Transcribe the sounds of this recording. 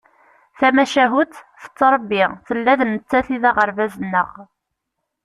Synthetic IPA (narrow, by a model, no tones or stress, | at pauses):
θæmæʃæɦut̪θə̥t͡sːɾˤəbːiʁθəlːæðnːət͡sːæθiðæʁəɾvæzənːəʁ